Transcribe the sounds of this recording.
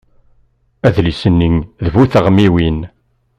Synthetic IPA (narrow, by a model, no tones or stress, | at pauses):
æðlisənːiŋðəvuθəʁmiwin